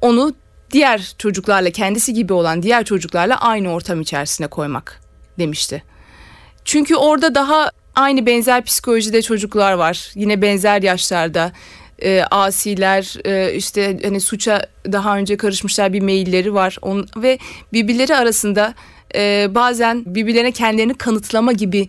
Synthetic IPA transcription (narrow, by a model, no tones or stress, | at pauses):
o̞nu | d̪ijæɾt͡ʃʰo̞d͡ʒuklˠaɾlˠacʰɛnd̪isiɟibio̞lˠand̪ijæɾt͡ʃʰo̞d͡ʒuklˠaɾlˠa̰ʔajnɯo̞ɾt̪ʰamit͡ʃʰæ̰ɾsinɛkʰo̞jma̰k | d̪e̞miʃt̪ʰɪ | t͡ʃʰyɲcʰyo̞ɾd̪ad̪aɦa | ajnɯbɛnzæɾpʰi̥si̥kʰo̞lʲo̞ʒid̪ɛt͡ʃʰo̞d͡ʒuklˠaɾvaɾ̥jinɛbɛnzæɾjaʃlˠaɾd̪aɯːʔaːsiːlʲæɾːiʃt̪ʰɛhanisut͡ʃʰad̪aɦaø̞nd͡ʒɛkʰaɾɯʃmɯʃlˠaɾbimejilʲːe̞ɾivaɾ̥o̰nˠvɛbibilʲe̞ɾiaɾasɯnd̪aː | baːzænbibilʲe̞ɾincʰɛnd̪ilʲeɾinikʰanɯt̪ʰlˠamaɟibɪ